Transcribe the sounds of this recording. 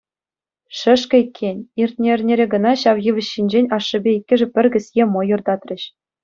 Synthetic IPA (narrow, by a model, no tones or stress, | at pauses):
ʂɘ̆ʂkʲɘ̆ikʲʰːenʲirt̪̚ʲnʲeɘ̆rʲnʲeɾʲeɡɤ̆nɑɕɑʋjɯʋʲɘ̆ɕːinʲd͡ʑenʲɑʂːɤ̆bʲeikʲːɘ̆ʐɘ̆pʲɘ̆rʲɡʲɘ̆sʲjemŏjɤ̆rd̪ɑt̪rʲɘ̆ɕ